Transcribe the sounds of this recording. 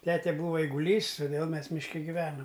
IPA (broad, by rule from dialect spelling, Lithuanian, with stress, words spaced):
ˈtʲæːtʲɛ ˈbuːʋɐ ɛɪɡʊˈlʲiːs toːˈdʲeːlˠ ˈmʲɛs mʲɪʃʲˈkʲɛ ɡʲɪˈʋʲæːnoːm